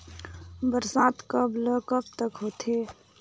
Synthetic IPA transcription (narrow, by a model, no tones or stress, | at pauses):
bəɾsaːt̪kəbləkəb̚t̪əkɦoːt̪ʰeː